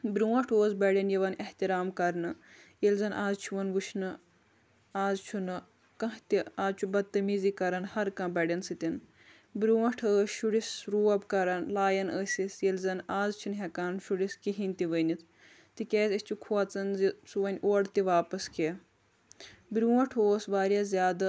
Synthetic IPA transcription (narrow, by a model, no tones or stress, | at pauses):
bɾuwɐʈʰoːzbɐɽʲɐnjɐʋɐneht̪iɾaːmkɐɾnɨjelʲzɐnʔaːzt͡ʃʰuʋɐnʋuʃʰnɨ | aːzt͡ʃʰunɨ | kɐ̃ɦt̪iaːzt͡ʃʰubɐt̪ːɐmizikɐɾɐnhɐɾkɐ̃bɐɖʲɐnsɨt̪ʲin | bɾuwɐʈʰəːsʃuɽisɾuːɐbkɐɾɐnlaːjɐnəːsʲisjelzɐnaːzt͡ʃʰunɦekaɾnʃuɽiskiɦinʲt̪iʋənʲit̪ʰ | t̪ikʲeːzʲɐsʲt͡ʃʰukʰuɐt͡sɐnzisuʋɐnʲʔoːɖt̪iʋaːpɐskʰe | bɾʲuwɐʈʰoːsbaːɾʲjɐzʲjaːd̪ɐ